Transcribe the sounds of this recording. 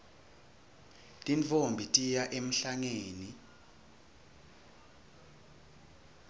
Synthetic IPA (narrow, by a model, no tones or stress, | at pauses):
tʼint͡fʼombʱitʼijaʔem̩ɬaŋeːni